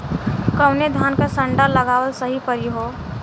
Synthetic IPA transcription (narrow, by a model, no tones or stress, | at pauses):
kəʊned̪ʱaːnkasə̃ɳɖaləɡaːwəlsəɦipəɾiɦoː